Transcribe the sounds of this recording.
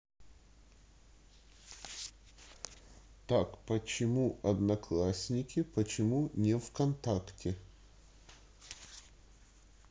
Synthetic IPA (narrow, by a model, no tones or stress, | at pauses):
t̪akpət͡ɕɪmuɐd̪nɐklˠasʲnʲɪkʲɪpət͡ɕɪmunʲɪfkɐnt̪aktʲɪ